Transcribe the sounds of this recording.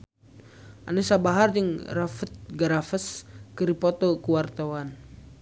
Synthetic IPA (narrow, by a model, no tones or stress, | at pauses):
ʔanɛsabaɦard͡ʒəŋrafət̪̚ɡaɾafəskəɾipɔt̪ɔkuwart̪awan